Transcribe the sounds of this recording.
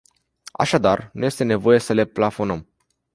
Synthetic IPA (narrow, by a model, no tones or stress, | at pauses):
a̰ʃad̪arnuje̞st̪e̞ne̞vo̞je̞səle̞plafo̞nəm